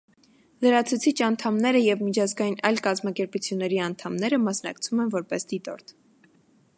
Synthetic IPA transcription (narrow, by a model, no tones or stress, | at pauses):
ləɾɑt͡sʰut͡sʰit͡ʃʰɑnt̪ʰɑmnɛɾəjɛvmit͡ʃʰɑzɡɑjinɑjlkɑzmɑkɛɾput͡sʰjunːɛɾiɑnt̪ʰɑmnɛɾəmɑsnɑ̰kt͡sʰumɛnvɔɾpɛsd̪it̪ɔ̰ɾt̪ʰ